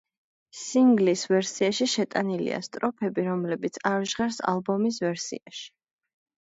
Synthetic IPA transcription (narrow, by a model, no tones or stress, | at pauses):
siŋɡlisvɛɾsiaʃiʃɛt̪ʼanilḭa̰st̪ʼɾɔpʰɛbiɾɔmlɛbit̪sʰaɾʒʁɛɾsa̰lˠbɔmis̬vɛɾsḭa̰ʃi̥